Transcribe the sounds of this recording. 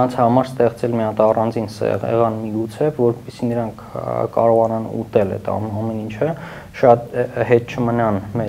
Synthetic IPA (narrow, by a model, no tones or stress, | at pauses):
ɑnt͡sʰhɑmɑɾst̪ɛχt͡sɛlmiɑt̪ɑrɑnd͡zinsɛ̰ʁɛ̰ʁɑnmiɡut͡sʰɛvɔɾpɛsinəɾɑŋkʰkːɑ̰ɾɔʁɑnɑnṵt̪ɛlɛ̰t̪ʰɑmɛnint͡ʃʰə | ʃɑt̪ɦɛt̪̚t͡ʃʰəmənɑnmɛ